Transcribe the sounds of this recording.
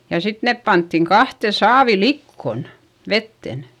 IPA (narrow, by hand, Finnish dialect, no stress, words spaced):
jɑ sit nep pɑntːiŋ kɑhte sɑːʋi likːon ʋetːen